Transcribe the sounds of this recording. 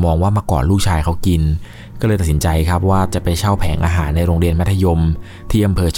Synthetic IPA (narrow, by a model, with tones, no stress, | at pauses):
mɔː˧ŋwaː˥˩maː˧kɔ̰ː˨˩nlɾuː˥˩k̚t͡ɕʰaː˧jkʰa˦˥wki˧n | kɔ˥˩ɤː˧jt̪a˨˩t̪̚snt͡ɕa˧jkʰa˦˥p̚waː˥˩t͡ɕa˨˩pa˧jt͡ɕʰa˥˩wpʰɛː˩˦ŋʔaː˧ɦaː˩˦nːa˧jɾoː˧ŋɾi˧ənm˦˥t̪ʰːa˧jo˧m | t̪ʰiː˥˩ʔa˧mpʰɤː˧t͡ɕ